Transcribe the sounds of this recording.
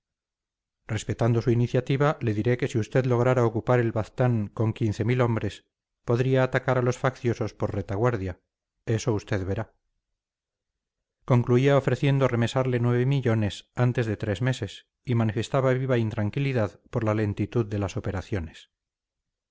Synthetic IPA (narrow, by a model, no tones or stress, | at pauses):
re̞spe̞t̪and̪o̞suiniθjat̪iβale̞ðiɾe̞ke̞siust̪e̞ðlo̞ɣ̞ɾaɾaokupaɾe̞lβaθt̪aŋko̞ŋkinθe̞milo̞mbɾe̞s | po̞ðɾiaːt̪akaɾalo̞sfakθjo̞so̞spo̞ɾre̞t̪aɣwaɾðja | e̞so̞ust̪e̞ðβe̞ɾa | ko̞ŋkluiaofɾe̞θje̞nd̪ore̞me̞saɾle̞nwe̞β̞emiʎo̞ne̞sant̪e̞zðe̞t̪ɾe̞zme̞se̞s | imanife̞st̪aβaβiβaint̪ɾaŋkiliðaðpo̞ɾlale̞nt̪it̪uðːe̞laso̞pe̞ɾaθjo̞nes